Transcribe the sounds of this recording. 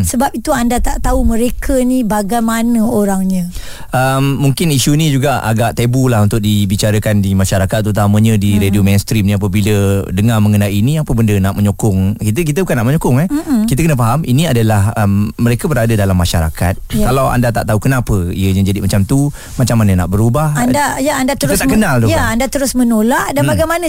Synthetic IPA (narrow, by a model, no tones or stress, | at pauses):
səbap̚it̪uandat̪aʔt̪auməɾekʰənibaɡajmanəoɾaŋɲə | əmːuŋkɪniʃunĩd͡ʒuɡaa̰ɡaʔt̪ebulaɦunt̪ʊk̚dibit͡ʃaɾəkandimaʃaɾakat̪ːɾut̪aməɲə̃diɾediomenst̪ɾimnĩap̬əbilədəŋaməŋənainĩapəbəndənaʔməɲokʊŋkit̪ək̬it̪̬əbukanaʔməɲokʊŋɛh̩kit̪̬əkənəfaɦamʔiniadəlahəmːəɾekəbəɾadədalamːaʃaɾa̰ka̰t̪̚kalawa̰ndat̪a̰ʔt̪aukənapəḭəɲad͡ʒadimat͡ʃamt̪u | mat͡ʃamːanənaʔbəɾubahandajaandakt̪əiɾət̪aʔkənald̪ojaandat̪əɾʊsmənolaʔdanmbaɡajmanə